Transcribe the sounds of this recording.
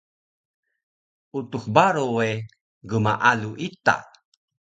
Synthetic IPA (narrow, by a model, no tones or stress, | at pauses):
ut̪uχbaɾowe | ɡəmaʔaluʔit̪a̰